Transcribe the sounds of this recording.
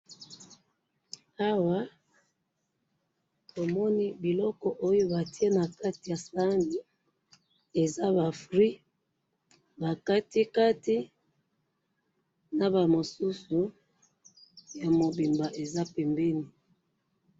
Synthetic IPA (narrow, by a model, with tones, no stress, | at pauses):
a˦wa˦ | tʰo˨mɔ˦ni˦bi˨lɔ˦kɔ˦ʔo˦jo˦ba˨ti˦e˦na˨ka˦ti˨ja˨sa˦ndi˨ | e˨za˦ba˨fʁi˦ | ba˨ka˦ti˦ka˦ti˦ | na˨ba˨mo˨su˦su˨ | ja˨mo˨bi˨mba˨ʔe˨za˦pɛ˨mbe˦ni˨